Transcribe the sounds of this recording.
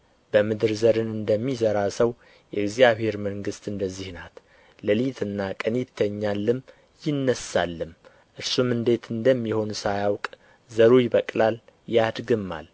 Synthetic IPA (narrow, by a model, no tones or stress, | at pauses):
b̥əmɨd̪ɨɾzəɾɨnɨnd̪əmːizəɾasəw | jɛɨɡzijaβhe̞ɾməŋɡɨst̪ɨnd̪əzːihnat̪ | ləlit̪ʰɨnːakʼənit̪ʰːəɲːalːɨm | jɪnːəsa̰lːɨm | ʔɨɾsumɨnd̪e̞t̪ʰɨnd̪əmːiho̞nsajawkʼ | zəɾujɪβəkʼlal | jad̪ɡɨmːa̰l